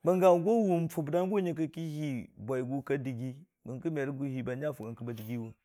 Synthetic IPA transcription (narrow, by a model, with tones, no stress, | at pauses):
bə˨ŋɡa˨˦ɡo˦wu˨mfu˨bda˦n˦ɡo˦ɲa˦˨kə˦ki˦hi˦bʷa˨i˨ɡu˦ka˦di˨ɡi˦ | bə˨ŋkə˦me˨ɾɡu˨hi˨ba˨˦d͡ʒa˦˨fu˨ka˨ŋkə˨ba˨di˨ɡi˦wu˨